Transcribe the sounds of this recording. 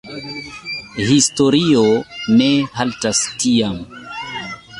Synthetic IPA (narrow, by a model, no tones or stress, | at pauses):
histoɾionehaltastiam